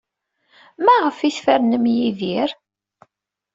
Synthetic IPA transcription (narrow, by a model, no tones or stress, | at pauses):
mæʁəfiθfæɾnəmjiðiɾ